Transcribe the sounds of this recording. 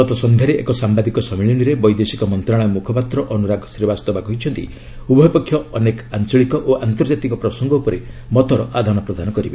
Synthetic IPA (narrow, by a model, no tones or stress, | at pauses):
ɔt̪ɔsɔnd̪ʱaɾeʔḛkɔsambad̪ikɔsɔmiɭiniɾebɔjd̪esikɔmɔnt̪ɾaɭ̃ɔjmukʰɔpat̪ɾɔʔɔnuɾaɡʱɔsɾebast̪ɔbakɔɦit͡ʃʰɔnt̪ḭ | ubʱɔjpɔkʰːjɔɔnekant͡ʃɔɭikɔʔoʔant̪ɔɾd͡ʒat̪ikɔpɾɔsɔŋɡɔupɔɾemɔt̪ɔɾɔʔad̪ʱanɔpɾɔd̪ʱanɔkɔɾiba